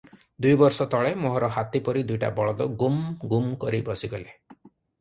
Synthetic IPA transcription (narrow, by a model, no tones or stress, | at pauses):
d̪ujbɔɾsɔt̪ɔɭemoɦɔɾɔɦat̪ipɔɾid̪ujʈa̰bɔɭɔd̪ɔɡumɡumkɔɾibɔsiɡɔle